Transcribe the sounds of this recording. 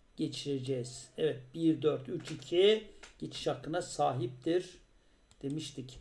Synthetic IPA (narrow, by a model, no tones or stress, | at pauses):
ɟ̥e̞t͡ʃʰiɾe̞d͡ʒɛjz̥ɛvɛt̪̚b̥iɾd̪øɾt̪yt͡ʃʰicʰiɟ̥et͡ʃʰi̥ʃakːɯnasaːɦip̚t̪ʰiɾ | d̪̥e̞miʃt̪ʰic